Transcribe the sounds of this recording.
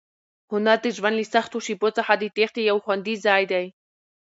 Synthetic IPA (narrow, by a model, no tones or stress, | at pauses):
hʊnaɾt̪eʒwanlisaxt̪oʃipot͡saħad̪it̪eχt̪ejawxʷwand̪izaːjd̪aj